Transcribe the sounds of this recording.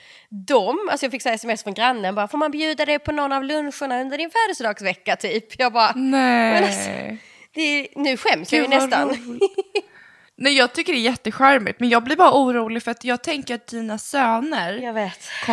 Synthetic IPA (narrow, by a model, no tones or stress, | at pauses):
d̪ɔmalsɔjɑɡfɪkːsɛɛsɛmɛsfɾɔnɡɾanːənbɑːɾafoːɾmanbjʉ̟ːd̪ad̪ɛpʰɔnɔnːavlɵnɧʊɳaɵnd̪əɖɪnfæːɖəsd̪ɑːɡsvɛkːat̪ʰyːpjɑːɡ̚bɑːɾanɛ | d̪̥ɛnʉ̟ːɧɛmsjajnɛt̪an | nɛɪjɑːɡ̚t̪ʰʏkːəɖɛːɾjɛt̪ːəɧæɾmɪ̰t̪mɛnjɑːɡ̚blɪɾbɑːɾauːɾuːlɪɡfœɾat̪jɑːɡ̚t̪ʰɛŋkəɾat̪̚d̪iːnasøːnəɾjɑveːt̪kʰɔ